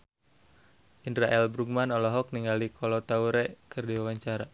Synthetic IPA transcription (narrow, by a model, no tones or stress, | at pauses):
ʔindɾaʔɛlbɾuɡ̚manɔlɔɦɔk̚niŋɡalikʰɔlɔt̪auɾɛkɨrdiwawaɲt͡ʃaɾa